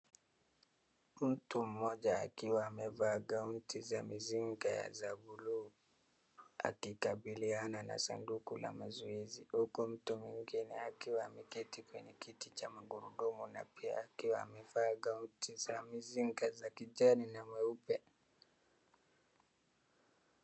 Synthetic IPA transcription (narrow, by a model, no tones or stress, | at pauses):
m̩tum̩mɔʄa̰ːkiwaːmɛvaɡauntʰizamiziŋɡaja̰zabuluː | a̰kikaɓilianana̰sandukula̰mazuizihukum̩tumwiŋɡinɛakiwaːmɛkitikwɛɲɛkitit͡ʃamaɡuɾuɗumuna̰pʰia̰ːkiwaːmɛvaɡauntizamiziŋɡazakid͡ʒaninamɛupɛ